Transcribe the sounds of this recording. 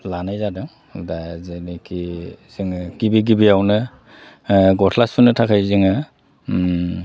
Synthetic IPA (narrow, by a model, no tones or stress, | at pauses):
lanajzadɯŋ | dazenikʰiz̥iŋɡibiɡibiawnɯ | ɡɔtʰlaspʰunɯtʰakʰajziŋɯ